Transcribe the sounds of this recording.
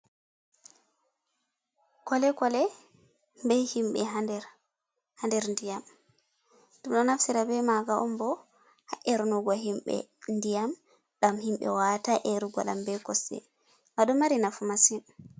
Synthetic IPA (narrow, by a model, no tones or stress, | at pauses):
kɔlɛkɔlɛ | bɛhimɓɛ̰ɦadɛɾ | handɛɾndijam | dumɗɔnafsiɾabɛmaɡaʔɔmbɔ | haʔɛɾnɔɡɔɦimɓɛ̰ndijam | ɗamhimɓɛ̰wataʔɛɾuɡɔ̰lambɛkɔsɛ̰ | maɗɔmaɾinafumasin